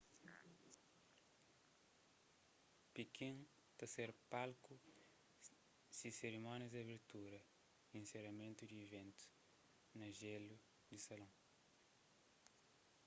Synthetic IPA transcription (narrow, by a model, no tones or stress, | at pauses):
pikĩn | t̪ɐseɾpalku | siseɾimɔnɐzɐβeɾt̪uɾɐ | ĩnseɾɐmẽnt̪ud̪iivẽnt̪u̥ | nɐʒelu | d̪isɐlɐ̃